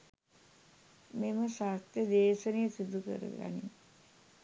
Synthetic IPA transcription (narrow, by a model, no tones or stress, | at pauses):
meməʃast̪jəd̪eːʃənejəsid̪ʱukə̰ɾə̰ɡa̰nḭ